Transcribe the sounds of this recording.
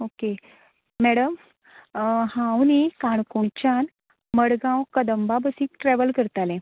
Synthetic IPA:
oke | mɛɽəm | hãwnikaɳkoɳt͡ɕan | məɽɡãwkəd̪əmbabəsiːkʈɾɛʋəlkəɾt̪alẽ

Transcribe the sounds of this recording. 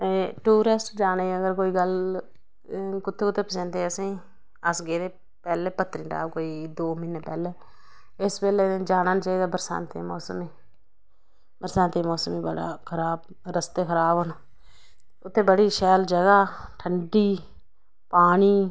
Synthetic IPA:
eʈuːɾesʈd͡ʒaːneːəɡəɾkoːiːɡəl | kʊt̪ʰːeːkʊt̪ʰːeːpəsẽnt̪eːəsĩː | əsɡeːɾeː | pɛːleːpət̪ːəɾiːʈa̰ːbkoːiːd̪oːmɪneːpɛːleː | ɪspɛːleːd͡ʒaːnaːnt͡ʃaːiːd̪aːbəɾsa̰ːnt̪ḛmɔːsəmiː | bəɾsãnt̪eːmɔːsəmiːbəɽa̰ːkʰəɾaːb | ɾəst̪eːkʰəɾaːboːnː | ʊt̪ʰːeːbəɽiːʃɛːld͡ʒəɡaːʈʰəɳɖiː | paːniː

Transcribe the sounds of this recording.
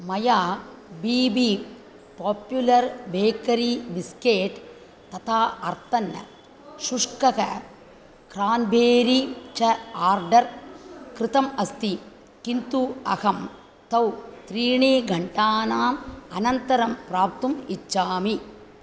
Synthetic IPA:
mɐjaːbiːbi | poːpjulɐɾbeːkɐɾibiskeːʈ | t̪ɐt̪ʰaːɐɾt̪ɐnːɐ̰ | ʃuʂkɐkɐ̰ | kɾaːnbʱeːɾit͡ʃɐaːɾɖɐɾkɾɪt̪ɐmɐst̪i | kint̪uɐ̰hɐm | t̪ɐwt̪ɾiːɳeːɡʱɐɳʈaːnaːmɐnɐnt̪ɐɾɐmpɾaːp̚t̪umit͡ʃːaːmi

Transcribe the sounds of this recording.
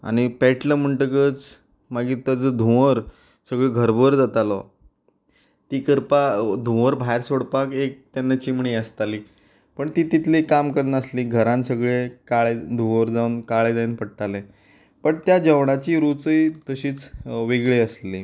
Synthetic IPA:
a̰ɽ̃ipɛʈləm̤əɳʈəkət͡s | maɡiːt̪əd͡zəd̪ʱũʋəɾ | səɡɭeɡʱəɾbəɾd͡zat̪alɔ | t̪iːkəɾpad̪ʱũəɾbʱajɾsoɽpakek̚t̪janːat͡ɕiːm̤əɳeəst̪aliː | pəɳt̪iːt̪it̪ʰlikːamkəɾnəsliːɡʱəɾãnsəɡɭekaɭed̪ʱũʋəɾd͡zaunkaɭed͡zainpəɽ̚t̪alẽ | pəɳt̪jad͡ʑəʋɽ̃at͡ɕiːɾut͡səit̪əɕiːt͡sʋiɡɭeəsli

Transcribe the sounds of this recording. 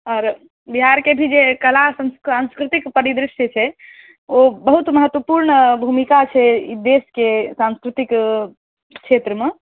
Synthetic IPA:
ɔːɾ | biɦaɾkebʱid͡ʒekəlasə̃nsãnskɾɪt̪ikpəɾid̪ɾɪsjət͡ʃʰɛ | obəɦut̪məɦət̪ʋəpuɾɳbʱumikat͡ʃʰɛid̪eskesãnskɾɪt̪ik | kʃʰet̪ɾəme

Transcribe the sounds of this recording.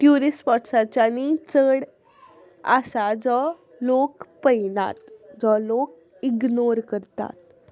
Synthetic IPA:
ʈjuɾispɔʈsat͡ɕjanit͡səɽ | asad͡zɔ | lokpəjna̰t̪d͡zɔlok | iɡnoɾkəɾt̪a̰t̪̚

